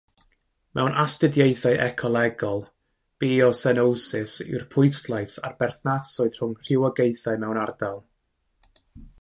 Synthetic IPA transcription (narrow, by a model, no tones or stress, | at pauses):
mɛwnʔastɪdjejθaɨʔɛkʰɔlˠɛɡɔlˠ | b̥ɪːɔsɛnowsɪsɪ̰wrpʰʊɨstlˠaɨsarb̥ɛrθnasɔɨð̥r̥ʊŋr̥ɪwɔɡejθaɨmɛwnard̥alˠ